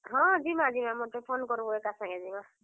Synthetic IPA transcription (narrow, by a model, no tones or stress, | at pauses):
ɦɔ̃zimazimamot̪epʰonkɔɾubɔekasaŋɛzima